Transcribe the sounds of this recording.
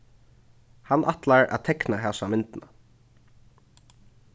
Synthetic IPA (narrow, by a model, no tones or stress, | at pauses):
hanʔa̰t̪laɹa̰ðt̪ʰɛknaɦɛsamɪnt̪ɪna